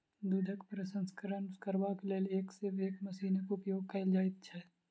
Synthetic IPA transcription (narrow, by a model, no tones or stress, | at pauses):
d̪uːd̪ʱəkpɾəsə̃nskəɾənkəɾʋakeleːleːkseʋeːkmɐsiːnəkʊpjoːɡ̚kɐld͡ʒaːɪt̪̚t͡ʃʰɛ